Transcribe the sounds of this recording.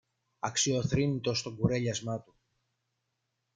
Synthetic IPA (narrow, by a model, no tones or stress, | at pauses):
ɐksio̞θɾinit̪o̞st̪o̞ɡuɾe̞ʎɐzmɐt̪u